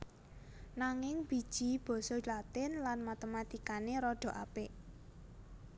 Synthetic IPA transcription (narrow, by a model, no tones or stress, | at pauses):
naŋɪŋb̥i̤d̥ʒ̥i̤b̥ɔ̤sɔlat̪ɪnlanmat̪emat̪ikaneɾɔɖ̥ɔ̤ʔa̰pɪʔ